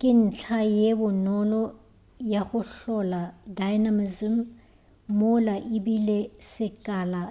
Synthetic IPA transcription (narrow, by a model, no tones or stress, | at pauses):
kʼɪn̩t͡ɬʰajebʊnɔlɔ | jaɣʊɬɔladajnamizim | mʊlaʔɪbilesɪkʼala